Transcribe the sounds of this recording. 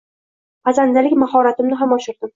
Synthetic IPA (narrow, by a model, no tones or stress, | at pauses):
qʰɑzand̪alɪkʲmahɒɾat̪ɪmnɪɦamɒʃɪɾd̪ɪm